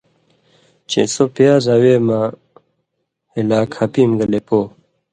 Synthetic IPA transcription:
t͡ɕḛsopijaːzawema | ilaːkʰhɐpimɡɐlepoː

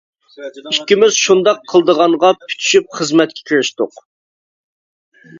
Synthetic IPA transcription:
ikʲːimɪz̥ʃund̪ɑqʰːəlˠd̪əʁɑɴʁɑpʰy̥t̪ʰy̥ʃyp̚χəzmɛt̪̚kʲʰɛ̥kʲʰiɾɪʃt̪ʊq

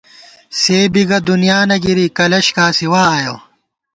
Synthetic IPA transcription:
seːbiɡɐd̪unijaːnɐɡiɾiːkɐlɐɕkaːsiwaːjoː

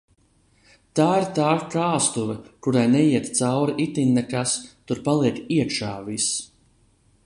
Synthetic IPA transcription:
t̪aːiɾt̪aːkaːst̪uvɐkuɾajnɛjiɛt̪t̪sawɾiʔit̪inːɛkast̪uɾpalˠiɛkiɛkʃaːvis

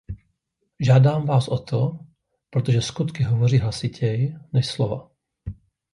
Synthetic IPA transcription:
ʒaːdaːmvaːsʔot̪ʰo | pɾot̪oʒɛskut̪kɪɦovoriːɦlasɪcʰɛjnɛʃslova̰

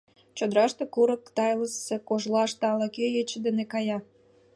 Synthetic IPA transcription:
t͡ɕod̪ɾɑʃt̪ekuɾəkt̪ɑjləsekoʒlɑʃt̪ɑlɑkejet͡ɕəd̪enekɑjɑ

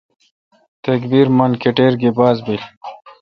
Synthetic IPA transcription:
t̪ɐkbiɾmɐnkeʈeːɾɡibaːzbil

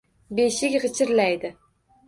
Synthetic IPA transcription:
beʃɪkʲʁɨt͡ʃʰɪɾlæjd̪ɪ

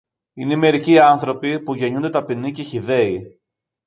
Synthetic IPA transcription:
ineime̞ɾiciɐnθɾo̞pipuʝe̞ɲund̪e̞t̪ɐpinice̞çiðe̞i

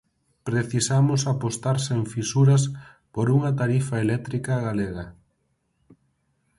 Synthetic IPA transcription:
pɾeθisamʊsapost̪aɾseɱfisuɾɐs | poɾuŋɐt̪aɾifaelɛt̪ɾikaɣaleɣɐ

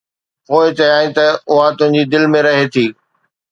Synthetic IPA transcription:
poːɪt͡ɕɐjaːĩt̪ɐʊɦãt̪ʊ̃ɦɪ̃ɲ̆d͡ʑid̪ɪlmẽɾɐɦet̪ʰiː

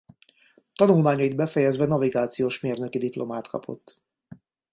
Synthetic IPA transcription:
t̪ɒnulmaːɲɒid̪bɛfɛjɛzʋɛnɒviɡaːt̪sijoːʃmeːrnø̞kid̪iplʔo̞maːt̪kʰɒ̰pʰo̞̰t̪ː

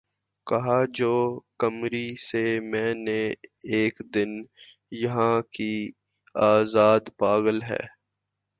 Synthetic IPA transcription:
kɐɦad͡ʒoːkɐmɾisemɛ̃ːneeːkd̪ɪn | jɐɦãki | aːzaːd̪paːɣəlɦɛ̰ː

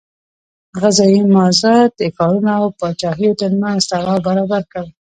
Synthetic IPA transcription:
ɣazɑjimɑzat̪ekɑɾunaːwpɑt͡ʃɑxijot̪əɾmanz̥t̪alɑbaɾɑbaɾkawi

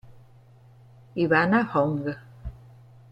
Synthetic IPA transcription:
iβanahoŋɡə

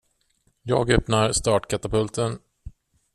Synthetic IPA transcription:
jɑːɡœpnaɾst̪ɑːʈkʰat̪apɵlt̪ʰən

